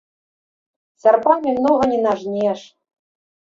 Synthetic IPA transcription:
sɑrpɑmʲimnoɣɤ̆nʲenɑʐnʲeʂ

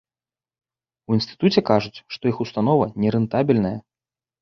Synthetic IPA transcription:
uinst̪ɨ̥t̪ut͡sʲɛkaʐut͡sʲʂt̪ɔixust̪anɔvɐnʲɛɾɨnt̪abʲilʲnɐjɐ

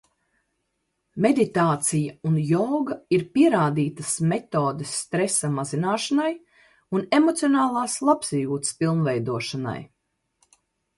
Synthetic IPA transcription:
me̞d̪it̪aːt̪sijaunjɔwɡaiɾpiɛɾaːd̪iːt̪ɐsmet̪oːd̪esːt̪ɾesːamazinaːʃanaj | unemɔt̪sionaːlˠaːslˠapsijuːt̪spilˠnvɛjd̪uɔʃana̰j

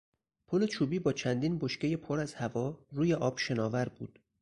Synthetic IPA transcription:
pʰole̞t͡ʃʰuːbiːbɒːt͡ʃʰænd̪iːnboʃce̞je̞pʰoɾæzhævɒːɾuːje̞ʔɒːb̥ʃe̞nɒːvæɾbuːd̪̥

